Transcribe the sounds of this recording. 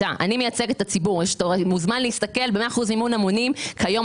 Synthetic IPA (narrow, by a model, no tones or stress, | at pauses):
aʔa̰nime̞jat͡se̞ɡet̪at͡sibuʁjeʃtomuzmanleist̪ake̞lbeme̞aːχuzmimunamo̞nimkajo̞m